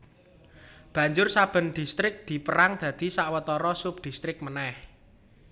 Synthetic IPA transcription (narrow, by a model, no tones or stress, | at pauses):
b̥ä̤ɲd͡ʒʊrsab̥ə̤nɖ̪̥i̤st̪ɾɪk̚d̪̥i̤pəɾaŋd̪̥ä̤d̪̥i̤saʔwət̪ɔɾɔsʊp̚d̪̥ist̪ɾɪk̚mənɛh